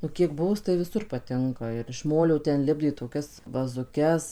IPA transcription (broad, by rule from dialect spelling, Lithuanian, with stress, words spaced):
nʊ kʲiɛk ˈbʊʋʊs tɐɪ ʋʲɪˈsʊr pɐˈtʲɪŋkɐ ɪr ɪʃ ˈmoːlʲoː tʲɛn ˈlʲɪbʲdʲeː toːˈkʲɛs ʋɐzʊˈkʲɛs